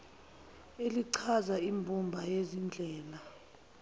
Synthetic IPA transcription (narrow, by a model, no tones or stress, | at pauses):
eliǀʰazaimbʱumbʱajezind͡ɮʱɛːla